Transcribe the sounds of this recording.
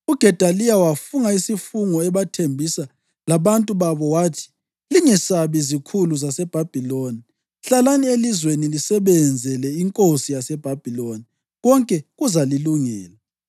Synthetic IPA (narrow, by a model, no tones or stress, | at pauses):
uɡ̥ʱɛd̥ʱalijawafuŋaisifuŋɔɛβatʰembʱisa | laβantʼuβaβɔwaːtʰi̥ | liŋɛsaβizikʰuluzasɛb̥ʱab̥ʱiloni | ɬalanielizwenilisɛβɛnd͡zʱɛlɛiŋkʼosijasɛb̥ʱab̥ʱiloni | ɣɔŋkʼɛɣuzaliluŋɛːla